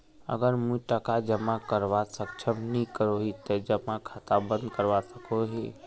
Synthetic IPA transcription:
ə̰ɡəɾmũʈəkad͡ʒəmakəɾʋasək̚t͡ʃʰəmnikəɾoɦit̪əd͡ʒəmakʰat̪abə̃nd̪kəɾʋasəkʰoɦi

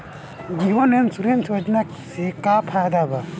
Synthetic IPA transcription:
ɡiɦɔnensuɾensʰad͡ʒna | sekapʰad̪aba

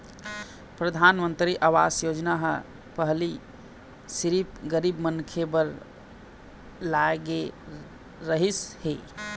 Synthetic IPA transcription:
pɾəd̪ʱanmənt̪ɾiʔaʋa̰sjod͡ʒnaɦə | pəɦli | siɾip̚ɡəɾibmənkʰebəɾ | laɡe | ɾəɦishe

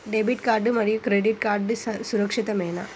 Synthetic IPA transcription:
ɖebiʈkaːɾɖɯmɐɾijɯkɾeɖiʈkaːɾɖɯsʊɾɐkʂɪt̪ɐmeːnɐ̰

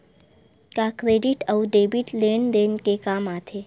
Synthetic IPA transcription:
kakɾeːɖɪʈɐʊɖeːbiʈleːnd̪eːnkekaːmaːt̪ʰeː

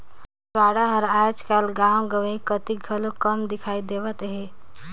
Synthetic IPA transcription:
t̪waːɽaɦəɾaːd͡ʒkaːlɡãːwɡəʋeĩkət̪iɡʱɐlokəmd̪ɪkʰaːid̪eʋət̪ɦɛː

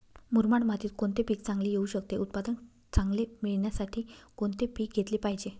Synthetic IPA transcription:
muɾmaɳmat̪iːt̪koɳt̪epiːk̚t͡sãŋɡlijeuːɕəkt̪eʔut̪̚pad̪ən | t͡sãŋɡlemiɭɳjasaʈʰiːkoɳt̪epiːk̚ɡʱet̪liːpaɦid͡ʑe

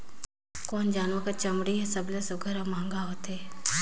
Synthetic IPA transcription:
kɔːnd͡ʒaːnʋakat͡ʃɐmɽiɦɛsəblesoɡʱəɾamãːŋɡaɦoːt̪eː

